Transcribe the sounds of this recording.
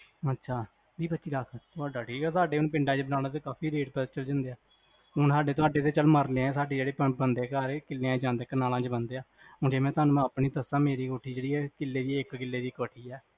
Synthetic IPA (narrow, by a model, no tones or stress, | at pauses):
ətːʃʰaː | d̪iːbət̪ːt͡ʃiːɾakʰt̪ʊaːɖaːʈʰiːkɛːsaːɖeːʊnːpɪɳɖãːt͡ʃbənaːɽaːt̪̬eːkaːpʰiːɾeːʈp̪ət͡ʃəld͡ʒə̃nd̪eːaː | ʊnsaːɖeːt̪ʊaːɖeːt̪eːt͡ʃəlməɾleãːsaːɖeːd͡ʒeːɽeːpəbənd̪eːkaɾkɪlːeãːd͡ʒãːnd̪eːkːənaːlãːt͡ʃbənd̪eːaː | ʊnd͡ʒeːmɛ̃ːt̪ʊaːnũːaːpɳiːt̪əsãːmeːɾiːkoːʈʰiːd͡ʒeːɽiːɛːkɪlːeːd͡ʒ̪iɪkkɪlːeːd̪iːkoːʈʰiːɛː